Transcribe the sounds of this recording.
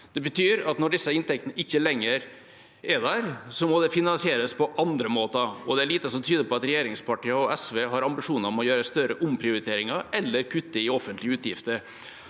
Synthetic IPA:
d̪̥ɛbət̪ʰyːɾɑt̪nɔɖɪsːəɪnt̪ɛk̚t̪ənəʔɪçːəlɛŋːəɾ | ɛd̪æɾsɔmɔd̪ɛfɪnɑnsɪeːɾəspʰɔʔɑnd̪ɾəmoːt̪əɔd̪ɛæɭiːt̪əsɔmt̪ʰyːd̪əpʰɔɑt̪ɾɛjeːɾɪŋspʰɑʈiːəɔɛsʋeːɦɑɾɑmbɪʂuːnəɾɔmɔjøːɾəst̪œɾəʔʊmpʰɾɪʊɾɪt̪ʰeːɾɪŋɑɾɛlːəɾkʰʉt̪ːəɪɔfːənt̪lɪʉːt̪jɪft̪əɾ

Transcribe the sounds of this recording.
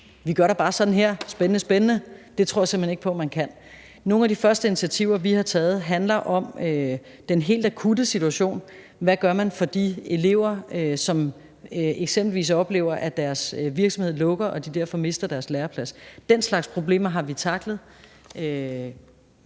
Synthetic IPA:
ʋiɡ̥ɶɐɾɑ̈b̥ɑ̈ːsɒ̽d̥n̩ɦeɐ̰sb̥enənəsb̥enənəd̥e̝t͡sʰo̝ɐ̰jɑse̝mheneɡ̥̚pʰɒ̽mænkʰæn̰ | no̝ːn̩æd̥ifɶɐsd̥əinit͡sʰiæt͡sʰiʊ̰ɐʋihɑ̈t͡sʰɛːð̞̩ˠɦænlɐʔɒ̽mø | d̥enɦe̝̰ːld̥ækʰudəsit͡suæɕo̝̰ːn | ʋæɡ̥ɶɐmænfɒ̽d̥ḭe̝le̝̰ʊ̰ɐøsɒ̽m | øeɡ̥semb̥l̩ʋḭːs̬ɒ̽b̥le̝̰ːʊɐʔæd̥æɐsʋiɐɡ̥sɒ̽mhe̝ð̰ˠlɔ̽ɡ̥ɐʔɒ̽d̥id̥æɐ̰fɒ̽me̝sd̥ɐd̥æɐslæːɐpʰlæsd̥enslɑ̈ɡ̥spʰʁo̝b̥le̝̰ːmɐɦɑ̈ʋit͡sʰɑ̈ɡ̥ləð̩ˠ | ø

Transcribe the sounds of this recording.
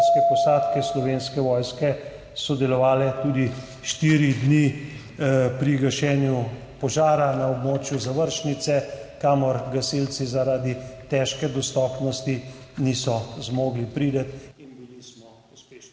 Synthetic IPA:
skɛpɔsaːt̪kɛslɔʋenskɛʋɔjskɛ | sɔd̪ɛlɔʋaːlɛt̪uːd̪i | ʃt̪iɾid̪ni | pɾiɡaʃɛːnju | pɔʒaːɾanaɔbmoːt͡ʃjuzaʋəɾʃnit̪sɛkaːmɔɾɡasilt̪sizaɾaːd̪it̪ɛːʃkɛd̪ɔst̪ɔːpnɔst̪inisɔzmoːɡlipɾiːd̪ət̪inbilismɔ | e

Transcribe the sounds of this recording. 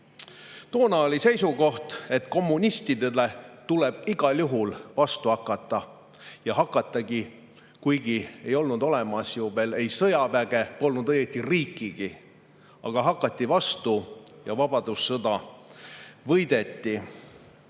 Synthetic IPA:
t̪o̞ːnɑolise̞jsuɡo̞ht̪e̞t̪ko̞mːunʲist̪id̪ele̞t̪ule̞b̥iɡ̥ɑlʲjuɦulvɑst̪uhɑkːˑɑt̪ˑːɑ | jɑɦɑkːˑɑt̪ːˑɑɡi | kujɡie̞jo̞lnud̪o̞lemɑsjuːbe̞le̞jsɤjɑvæɡ̥e̞po̞lnud̪ɤjet̪ːiriːkːˑiɡ̥i | ɑ̰ɡ̥ɑɦɑkːˑɑt̪ʲːˑivɑst̪ujɑvɑb̥ɑd̪̥usːɤd̪̥ɑ | vɤjd̪̥e̞t̪ːi

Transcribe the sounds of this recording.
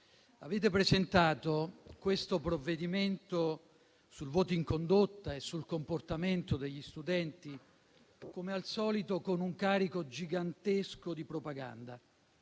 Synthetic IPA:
aveːt̪̬epɾezent̪aːt̪okwest̪opɾovːed̪iment̪o | sulvɔːt̪oiŋkond̪ot̪ːaesːulkomport̪ament̪od̪eʎːist̪ud̪ɛnt̪i | komealsɔːlit̪okonuŋkaːɾikod͡ʒiɡant̪eskod̪ipɾopaɡa̰nd̪a

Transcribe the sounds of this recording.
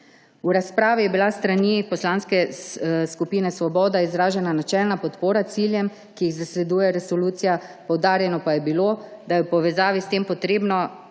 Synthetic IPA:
uɾaspɾaːʋijɛbilast̪ɾanipɔslaːnskɛskupiːnɛsʋɔbɔːd̪aizɾaːʒɛnanat͡ʃɛlnapɔt̪poːɾat̪siːljɛm | kijiɣzaslɛd̪uːjɛɾɛsɔluːt̪sijapɔwd̪aːɾjɛnɔpajɛbilod̪ajɛwpɔʋɛzaːʋist̪eːmpɔt̪ɾeːbnɔ

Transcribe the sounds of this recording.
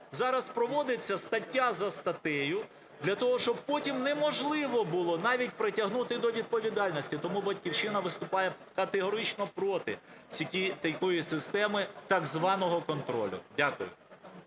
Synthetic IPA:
zɑɾɐspɾɔʋɔd̪et͡sʲːɐst̪ɐtʲːazɐst̪ɐt̪ɛjʊ | d̪lʲɐt̪ɔɦɔʃt͡ʃɔb̚pɔtʲimnɛmɔʒlˠɪʋɔbʊlˠɔnɑʋʲitʲpɾɪtʲɐɦnut̪ɪd̪ɔʋʲid̪̚pɔʋʲid̪ɑlʲnɔsʲtʲit̪ɔmubɐtʲkʲiwʃɪnɐʋɪst̪ʊpɑjɛ | kɐt̪eɦɔɾɪt͡ʃnɔpɾɔt̪ɪ̰t͡sʲikʲit̪ɐkɔjisɪst̪ɛmɪt̪ɐɡzʋɑnɔɦɔkɔnt̪ɾɔ̰lʲʊ̰dʲakʊjʊ̰

